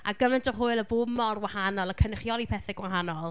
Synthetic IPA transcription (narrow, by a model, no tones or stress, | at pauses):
aɡəmɛntʰɔɦʊɨlˠəboːbmɔrwahanɔlˠəkʰənɪχjɔlˠipʰɛθɪɡwaɦanɔlˠ